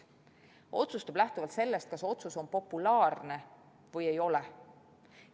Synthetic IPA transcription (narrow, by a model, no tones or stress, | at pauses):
ʔo̞̰t̪sust̪ub̥læht̪uvɑlt̪se̞lːe̞st̪̚kɑso̞t̪suso̞npo̞pːˑulɑːrne̞ | vɤje̞jo̞le